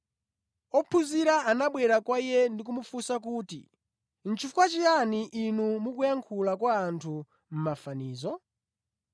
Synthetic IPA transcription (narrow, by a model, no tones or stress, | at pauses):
ɔpʰuziɾaanaɓwɛɾakwaijɛndik̬umufusak̬uːtḭ | n̩t͡ʃʰifukwat͡ʃijaniʔːnumukujaŋkʰulakwaːntʰu | m̩mafaniːzɔ